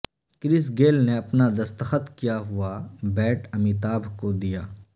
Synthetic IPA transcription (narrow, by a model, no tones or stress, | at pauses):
kɾɪsɡeːlneɐpnad̪ɐst̪əxət̪kijaɦʊabɛːʈɐmit̪aːbʱkod̪ijaː